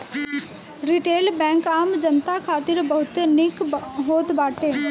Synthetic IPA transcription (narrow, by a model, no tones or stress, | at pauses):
ɾiʈeːlbɛ̃ːŋkaːmd͡ʒənt̪akʰaːt̪ɪɾbəɦʊt̪nɪkɦoːt̪baːʈeː